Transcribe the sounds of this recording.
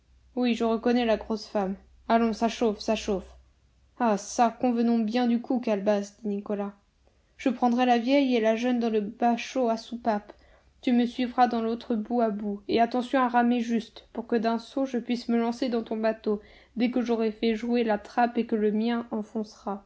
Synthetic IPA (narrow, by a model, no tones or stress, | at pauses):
wiʒəʁəkɔnɛlaɡʁosfam | alɔ̃saʃofsaʃof | asakɔ̃vənɔ̃bjɛ̃d̪ykukalbasd̪inikɔla | ʒ̥əpχɑ̃d̪ʁɛlavjɛjelaʒœnd̪ɑ̃ləbaʃoasupap | t̪yməsɥivʁad̪ɑ̃lot̪χəbuabueat̪ɑ̃sjɔ̃aʁameʒyst̪puʁkəd̪ɛ̃soʒəpɥisməlɑ̃sed̪ɑ̃t̪ɔ̃bat̪o | d̪ɛkəʒoʁɛfɛʒuelat̪χapekələmjɛ̃ʔɑ̃fɔ̃sʁa